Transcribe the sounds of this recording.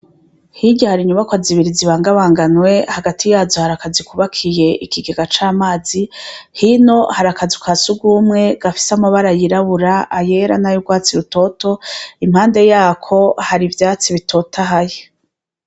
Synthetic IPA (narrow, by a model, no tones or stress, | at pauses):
hiɟahaɾiɲuβakwaziβiɾiziβaːŋɡaβaːŋɡanwe̞haɡatʰijaːzohaɾakazikuβakʰije̞ʔikiɡeɡat͡ʃaːmaːzihino̞haɾakazikwasuɡumŋe̞ɡ̥afi̥samaβaɾajiɾaβuɾaʔːje̞ɾanajuɡwaːt͡siɾuto̞to̞im̥haːnde̞jaːkʰo̞haɾivjaːt͡siβitʰo̞tʰaɦaje